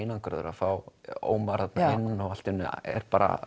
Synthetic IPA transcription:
jnankɾœ̰ðʏ̰ɾa̰fawo̰ːwmaɾ̥hat̪naɪnːɔɣal̥t̪ɪnːɛ̰ɾ̥paːɾa̰

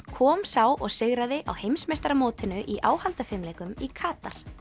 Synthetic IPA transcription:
kʰɔːmsaːwʔɔɣsɪɣɾaðɪʔa̰whejmsmejst̪aɾamoːt̪ɪnʏʔiʔaːwhalt̪afɪmlɛːkʏmikʰaːt̪aɾ̥

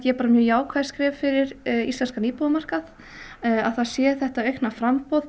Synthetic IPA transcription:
jɛpaːɾamjœːjaːwkʰvaːj̥skɾɪːvfɪɾɪɾist̪lɛnskaniːpɔðʏmar̥kað | aðθaðsjɛːðθɛht̪aœɥknafɾampɔð

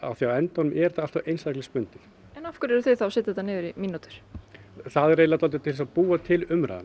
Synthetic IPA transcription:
a̰θiawɛnt̪ɔnʏmʔɛɾ̥θaalt̪avejnsajklɪspʏnt̪ɪ̥ | ɛnɔfkʏɾɛɾθɪðθawsɪt̪ɪ̥ðɛt̪anɪːðʏɾiminut̪ʏ̥ɾ̥θaðreːjlat̪alt̪̬ɪ̥t̪ʰɪlɛsapuːat̪ʰɪlʏmɾa̰ðan

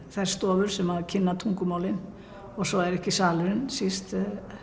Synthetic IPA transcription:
θajɾ̥st̪ɔːvʏɾ̥sɛmhaðcʰɪnːat̪ʰuŋkʏmaːwlɪn | ɔɣsɔɛɾɛhcɪsaːlɪɾɪnsist̪

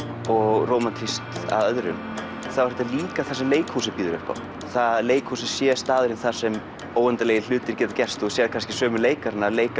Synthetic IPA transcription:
ɔɣroːwmant̪ʰɾist̪a̰ðœðɾʏ̰n | θawɾɛt̪aliːkaθasɛmleːjkhuːsɪpiːðʏɾʏ̰hpa̰w | θaðleːjkhuːsɪ̥sjɛːst̪aːðʏɾɪnθḁsɛm | oːwɛnt̪aleːjɪl̥ʏːt̪ɪɾcɛːt̪ḁcɛr̥st̪ɔsjɛðkʰanscɪ̥sœːmʏleːjkaɾnːaleːjk

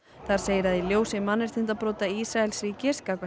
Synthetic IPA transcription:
θaɾ̥seːjɾaðɪljoːwsɪmanːɛɾ̥t̪ʰɪn̥t̪apɾoːt̪aisɾaɛlsɾiːcɪskaːkva

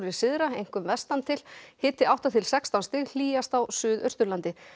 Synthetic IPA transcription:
ɾɪ̥sɪðɾaejŋ̥kʏmvɛst̪ant̪ʰɪlhɪːt̪ɪawt̪at̪ʰɪlsɛkst̪anst̪ɪɣl̥iːjast̪awsʏːðœ̥st̪ʏɾlant̪ɪ

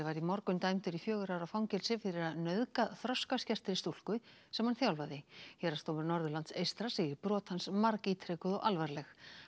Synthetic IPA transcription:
vaɾimɔɾkʏnt̪ajmt̪ʏɾifjœːɣʏɾaɾawfawŋcɛlsɪfɪɾɪɾaðnœðkaðθɾɔskascɛr̥t̪ɪɾɪst̪ul̥kʏsɛmanθjawlvaðɪçɛːɾast̪owmʏɾnɔɾðʏlant̪sejst̪ɾasejɪɾpɾɔːt̪hansmaɾkit̪ʰɾekʏðɔɣalvaɾlɛx

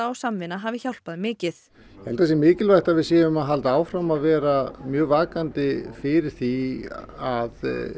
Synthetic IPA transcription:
aːwsamvɪnːaɦaːvɪçawl̥paðɪmɪːcɪθ | jɛhɛlt̪asjɛmɪːcɪlvajht̪avɪðsjɛːjʏmaðɦalt̪aːwfɾamaðvɛːɾamjœːɣvaːkant̪ɪfɪɾɪɾ̥θi | að

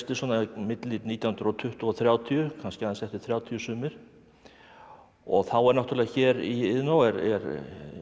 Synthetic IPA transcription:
t̪ɪsɔnamɪt̪lɪt̪niːt̪jawhʏnɾɔt̪ʰʏht̪ʏɔθɾjaːwt̪ʰiʏkʰanscɪaðansɛht̪ɪ̥θɾjaːwt̪ʰiʏsʏːmɪɾ̥ | ɔ̰ɣθawɛɾnaht̪yɾlɪɣaçɛːɾiɪðnawɛɾɛ̰ɾ

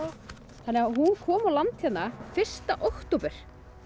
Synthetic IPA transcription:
θanːɛɣaɦunkʰɔːmawlant̪çɛt̪nːafɪr̥st̪aʔowkt̪owpʏɾ̥

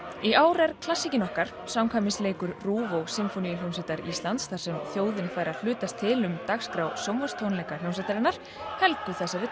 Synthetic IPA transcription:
iʔaːwɾɛɾ̥kʰlasːicɪnɔhkaɾ̥ | sawmkʰaːjmɪnsleːjkʏɾruːvowsɪmfonijljownsɛt̪aɾist̪lant̪sθaɾ̥sɛmθjoːwðɪnfajɾal̥ʏːt̪ast̪ʰːɪlʏmt̪axskɾawsowmvarst̪ʰownlɛkal̥jownsɛt̪aɾɪnaɾ̥ | hɛlt̪ʏθɛsːavɪ

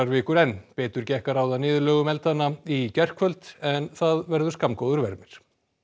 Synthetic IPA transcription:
aɾvɪːkʏɾɛnpɛːt̪ʏɾ̥cɛhkaɾawðanɪːðʏlœːɣʏmɛlt̪anːaicɛr̥kʰvœlt̪ɛnθaðvɛɾðʏ̥skamkowðʏɾvɛɾmɪɾ̥

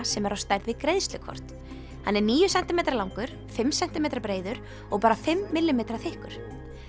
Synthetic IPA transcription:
sɛmɛɾawst̪ajɾðvɪkɾejðst̪lʏkʰɔ̰r̥t̪ | hanːɛɾniːjʏsɛnt̪ɪmejt̪ɾlawŋkʏɾ̥ | fɪmsɛnt̪ɪmejt̪ɾpɾeːjðʏɾ | ɔɣpaːɾafɪmːɪlːɪmejt̪ɾaθɪhkʏ̰ɾ̥

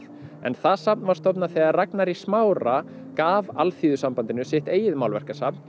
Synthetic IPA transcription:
ɛ̰nθaðsap̚nvaɾ̥st̪ɔpnaθɛːɣaraknaɾismaːwɾa | kaːvalθiːðʏsampant̪ɪnʏsɪht̪eːjɪðmaːwlvɛr̥kasapn

